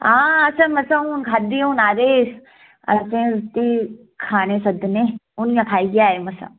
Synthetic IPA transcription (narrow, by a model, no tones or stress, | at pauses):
ãːɐsʰamɐsãũnkʰaːd̪iũnaːd̪eːs | ɐ̰t͡ʃẽɾt̪i | kʰaːnesɐd̪neunjãkʰaːiɡijaːɦemɐsã̰